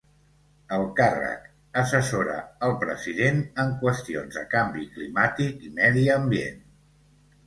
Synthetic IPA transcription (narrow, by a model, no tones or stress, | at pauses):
əlˠkarə̰k | əsəsoɾə̰əlˠpɾəziðenəŋkwəst̪ionzə̰kambiklimat̪ikimɛðiəmbiḛn